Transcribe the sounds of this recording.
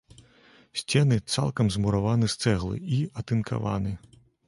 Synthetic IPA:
sʲt͡sʲɛnɨt̪sa̰lˠkɐmzmuɾavanɨst̪sɛɣlˠɨ̰iɐt̪ɨnkʰa̰va̰nɨ

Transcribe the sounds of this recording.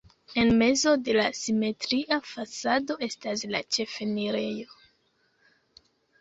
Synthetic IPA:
e̞nme̞zo̞de̞lasime̞tɾiʔafasado̞e̞staslat͡ʃe̞fe̞niɾe̞jo̞

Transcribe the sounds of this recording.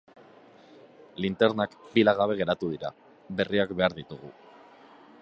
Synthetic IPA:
lint̪e̞ɾnakbilaɣ̞aβ̞eɣ̞e̞ɾat̪uð̞iɾa̰ | be̞riakbe̞aɾðit̪uɣu

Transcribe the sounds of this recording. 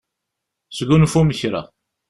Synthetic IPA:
sɡunfuməçɾa̰

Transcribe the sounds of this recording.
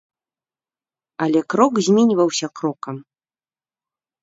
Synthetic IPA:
ɐlʲɛkɾɔkzʲmʲɛnʲivɐwsʲɐkɾɔkɐm

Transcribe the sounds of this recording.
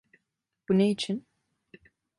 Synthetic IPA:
b̥unejit͡ʃʰin

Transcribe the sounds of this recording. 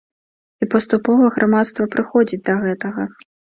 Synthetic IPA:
ipɐst̪upɔvɐɣɾʔamat̪st̪vɐpɾɨxɔd͡zʲid͡z̚ʲd̪ɐɣɛt̪ɐɣɐ

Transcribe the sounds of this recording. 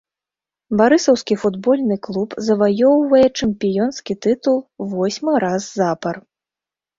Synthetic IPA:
baɾɨsɐwskʲifud̪bɔlʲnɨklˠupzɐvajɔwvɐjɛt͡ʂɐmpʲijɔnskʲit̪ɨt̪ulˠvɔsʲmɨɾazːapɐr

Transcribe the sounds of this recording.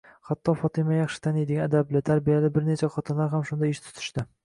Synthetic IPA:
hat̪ʰːɒfɒt̪ʰɪmajɑχʃɪ̥t̪ʰanejd̪ɪɡʲanad̪ablɪt̪ʰaɾbijalɪbɪɾnet͡ʃʰaχɒt̪ʰɪnlˠaɾɦamʃʊnd̪aɪʃt̪ʰʊ̥t̪ʰɪ̥ʃt̪ɪ

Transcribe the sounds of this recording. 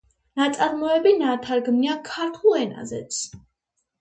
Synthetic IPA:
nat̪sʼaɾmɔɛbinat̪ʰaɾɡmniakʰaɾt̪ʰulˠɛna̰zɛt̪sʰ

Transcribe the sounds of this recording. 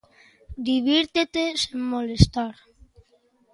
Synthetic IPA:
d̪iβiɾt̪et̪esiŋmolest̪aɾ

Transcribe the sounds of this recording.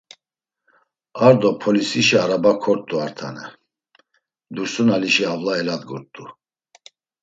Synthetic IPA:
aɾd̪ɔpʰɔlisiʃiaɾabakʰɔɾt̪ʼuaɾt̪ʰanɛ | d̪uɾsunaliʃiavlaɛlad̪ɡɔɾt̪ʼːu

